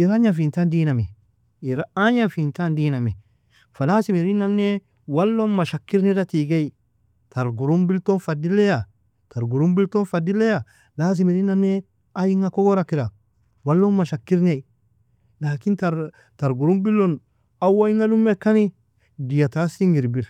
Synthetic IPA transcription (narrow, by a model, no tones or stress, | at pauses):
iɾaɲafintandiːname | iɾaaɲafintandiname | falasimiɾinːanːe | walːonmaʃakːiɾnedatiɡei | taɾɡuɾumbiltonfadileja | taɾɡuɾumbiltonfadilːeja | las̬imiɾinːanːe | ajiŋakoɡoɾakiɾa | walːonmːaʃakːiɾnei | lakinta | taɾɡuɾumbilːon | awaiŋalumːekːani | dijatasiŋɡiɾbil